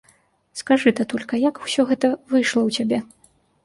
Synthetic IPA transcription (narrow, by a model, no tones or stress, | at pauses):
skaʐɨt̪ɐt̪ɔlʲkɐjaku̥sʲɔɣɛt̪ɐvɨjʂlˠɐwt͡sʲabʲɛ